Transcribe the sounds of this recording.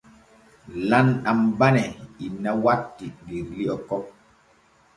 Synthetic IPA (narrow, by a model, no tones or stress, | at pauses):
lanɗambanɛinawatːiliɾliɔkɔp̚